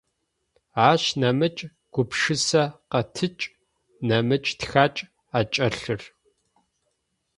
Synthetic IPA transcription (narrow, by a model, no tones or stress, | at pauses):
aːɕnɐmɨt͡ʃʼ | ɡ̥ʷʊpʂɨsɐqɐtʰɨt͡ʃʼ | nɐmɨt͡ʃʼtxaːt͡ʃʼ | at͡ʃʼɐɬɨr